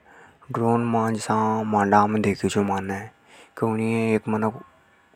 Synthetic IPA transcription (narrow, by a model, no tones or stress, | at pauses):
ɖɾoːnmãːd͡ʒsãːmãːɳɖaːmẽd̪eːkʰit͡ʃomaːneː | keniẽeːkmənək